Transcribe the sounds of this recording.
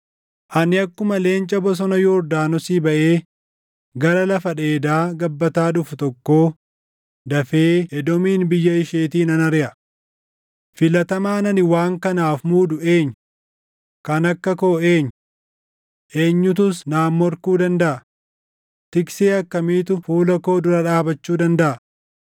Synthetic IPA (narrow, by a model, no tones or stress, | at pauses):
ʔɐnɪɐkːʊmɐle̞ːnt͡ʃʼɐbɔs̬ɔnɐjoːɾd̪aːnɔsiːbɐʔe̞ː | ɡɐɾɐlɐfɐᶑe̞ːd̪aːɡɐbːɐt̪aːᶑʊfʊt̪ɔkːo̞ː | d̪ɐfeːɛd̪ɔmiːnbɪjːɐɪʃeːt̪iːnɐnɐɾɪʔɐ | fɪlɐt̪ɐmaːnɐnɪwaːŋkɐnaːfmuːd̪ʊe̞ːɲː | kɐnɐkːɐko̞ːe̞ːɲː | ʔe̞ːɲːʊt̪̬ʊsnaːmːɔɾkuːd̪ɐnd̪ɐʔɐ | t̪ɪkseːɐkːɐmiːt̪ʊfuːlɐko̞ːd̪ʊɾɐᶑaːbɐt͡ʃːuːd̪ɐnd̪ɐʔɐ